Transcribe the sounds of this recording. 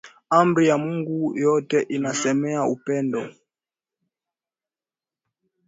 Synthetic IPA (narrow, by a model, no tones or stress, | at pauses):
ambɾijamuŋɡujɔtɛʔinasɛmɛaupɛndɔ